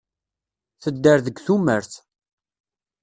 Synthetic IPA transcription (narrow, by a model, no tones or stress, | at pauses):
θəd̪ːəɾðəɡθuməɾθ